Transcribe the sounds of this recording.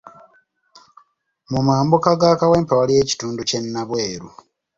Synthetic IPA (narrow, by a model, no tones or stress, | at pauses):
mumaːmbukaɡaːkawe̞ːmpawalije̞ːci̥tuːnduce̞nːaβweːɾṵ